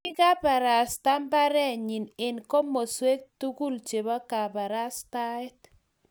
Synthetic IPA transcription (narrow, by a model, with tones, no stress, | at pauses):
ɪ˦ɡa˦pa˨ɾa˨sta˦mba˦ɾɛ˦ɲi˨ne˨nko˦mo˨swe˦k̚tu˦ɡu˦lt͡ʃe˨bɔ˦ka˨ba˨ɾa˦sta˦ɛ˦t